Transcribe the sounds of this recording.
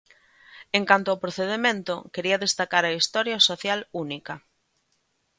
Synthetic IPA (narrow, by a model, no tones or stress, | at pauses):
eŋkant̪oaopɾoθeðemẽnt̪ʊkeɾiɐðest̪akaɾɐist̪ɔɾjɐsoθjalunikɐ